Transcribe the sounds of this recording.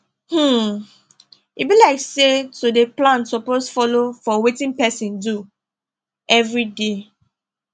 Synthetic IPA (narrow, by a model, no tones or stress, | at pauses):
h̩ | ibilaɪksetudeplãnsɔposfɔlofɔwetĩnpɛsĩndu | ɛvɹide